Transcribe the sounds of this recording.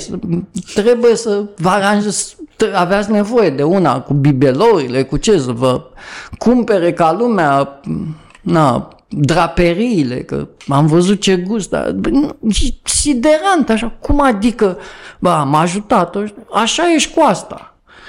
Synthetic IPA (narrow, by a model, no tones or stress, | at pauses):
sət̪ɾe̞buje̞səvaɾanʒest̪aveat̪sʲne̞vo̞je̞d̪e̞una̰kubibeloɾile̞kut͡ʃe̞səvəkumpe̞ɾe̞kalumea | na | d̪ɾape̞ɾiːle̞̰kə̰amvəzut̪̚t͡ʃe̞ɡust̪d̪a̰nʃisid̪e̞ɾant̪aʃakumad̪ikəbəamaʒut̪at̪oʃaʃaje̞ʃʲkuast̪a